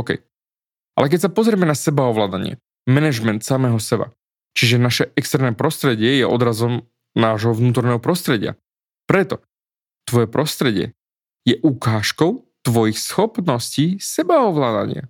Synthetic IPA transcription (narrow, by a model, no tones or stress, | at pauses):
kɛ̰j | ʔalɛk̬ɛcsapɔzɾɪɛmɛnasɛbaɔʋlaːd̪aɲɪɛ̰ | mɛnɛʒmɛnt̪samɛːɦɔsɛba̰ | t͡ʃiʒɛnaʃɛɛkst̪ɛɾnɛːpɾɔst̪ɾɛɟɪɛjɛʔɔd̪ɾazɔm | naːʒɦɔʋnuːt̪ɔɾnɛːɦɔpɾɔst̪ɾɛɟɪa̰ | pɾɛt̪ɔ | t̪ʋɔjɛpɾɔst̪ɾɛɟɪɛ̰ | jɛʔukaːʃkɔʊ | t̪ʋɔjixsxɔpnɔsciːsɛbaɔʋlaːd̪a̰ɲɪa̰